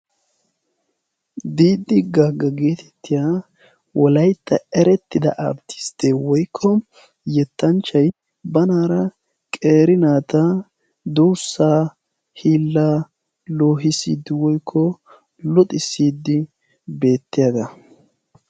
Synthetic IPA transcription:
d̪iːd̪ːɪɡaɡɐɡe̞ːt̪ʰɛ̥t̪ːɪjaː | wʔɔlɐjt̪ʰːɐɛɾɛt̪ːɪd̪ɐ̰ʔɐ̰bt̪ʰːɪ̥st̪ewɔjkʰːɔ | jɛt̪ːɐnt͡ʃːɐj | bɐnaːɾɐ | kʼe̞ːɾɪnaːt̪ɐ | d̪uːsːaː | hiːlːaː | loːɦɪsḭːd̪ːɪwɔjkʰːɔ | lɔt̪ʼɪsːiːd̪ːɪ | be̞ːt̪ːɪjaɡ̪ɐ

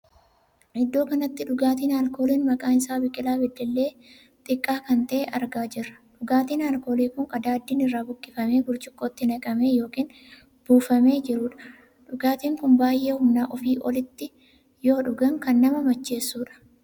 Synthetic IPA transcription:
ɪd̪ːo̞ːkɐnɐt̪ːɪᶑʊɡaːt̪iːnaːlko̞ːliːnmɐkʼaːnɪsaːbɪkʼːɪlaːbɪd̪ːɛlːe̞ː | t̪ʼɪkʼːaːkɐnt̪ɐʔeʔɐɾɡaːd͡ʒɪrːɐ̥ᶑʊɡaːt̪iːnaːlko̞ːliːkʊŋkʼɐd̪aːd̪ːiːnɪrːaːbʊkʼːɪfɐme̞ːɡʊɾt͡ʃɪkʼːoːt̪ːɪnɐkʼɐme̞ːjo̞ːkiːn | b̥uːfɐme̞ːd͡ʒɪɾʊːᶑɐ̥ | ᶑʊɡaːt̪iːŋkʊnbaːjʔːeːhʊmnaːʔɔfiːʔɔlɪt̪ːɪ | joːᶑʊɡɐŋkɐnːɐmɐmɐt͡ʃːe̞ːsːuːᶑɐ̥

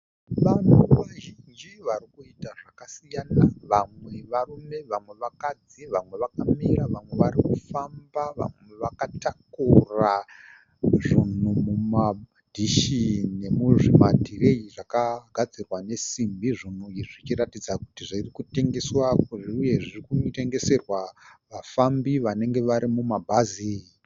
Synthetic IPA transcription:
ʋan̤uʋaʒind͡ʒiʋarikuitaʐakasijanaʋamwe̞ʋarume̞ʋamwe̞ʋakad͡ziʋamwe̞ʋakamiɾaʋamwe̞ʋarikufambaʋa̰mwe̞ʋakatakura | ʐin̤umuma | dʱiʃine̞muʐimadʱire̞iʐakaɡ̥ʱad͡zirwane̞simbiʐin̤uiʐit͡ʃiratid͡zaku̥tiʐirikute̞ŋɡe̞swakuʐiuje̞ʐirikute̞ŋɡe̞se̞rwaʋafambiʋane̞ŋɡe̞ʋaɾimumabʱazi

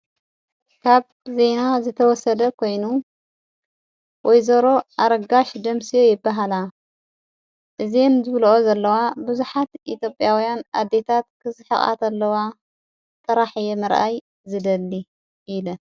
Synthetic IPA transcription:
kʰaβ | ze̞nazɨt̪ʰɐwɔsɐd̪ɐkʰo̞jnu | wʔɔjzɐɾo̞ʔaɾɐɡaʃd̪ɐmsijojɪbːaɦala | ʔɨzemzɨβlʔozɐlːɐwabɨzuħat̪ʔit̪ʰjo̞pʼjawijanad̪ːe̞t̪ʰat̪kʰɨsɨħɨχʼa̰t̪ʰɐlːɐwa | t̪ʼɨɾaħjɛmɨɾʔaj | zɨd̪ɐlːi | ilɐ

